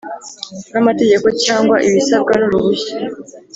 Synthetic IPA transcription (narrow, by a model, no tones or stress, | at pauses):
namate̞ɟe̞ko̞caːŋɡwaʔiβisab̚ɡanuɾuβuçḁ